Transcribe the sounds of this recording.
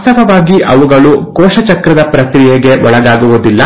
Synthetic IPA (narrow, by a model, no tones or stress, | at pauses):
sɐbɐʋaːɡiʔɐʋuɡɐɭukɔːʃɐt͡ʃɐkɾɐd̪ɐpɾɐkɾijeɡe̞ʔɔɭɐɡaːɡuʋud̪ilːɐ